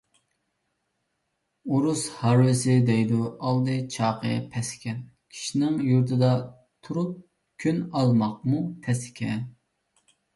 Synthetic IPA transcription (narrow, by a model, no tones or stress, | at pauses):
uɾushɑɾwɪsɪd̪ɛjd̪uɑlˠd̪ɨt͡ʃʰɑːqʰəpʰɛsɪ̥kʲɛn | kʲʰi̥ʃinɪŋjuɾt̪ʰɨd̪ɑ | t̪ʰuɾup̚ | kʲʰynɑlˠmɑq̚mupʰɛsɪ̥kʲʰɛn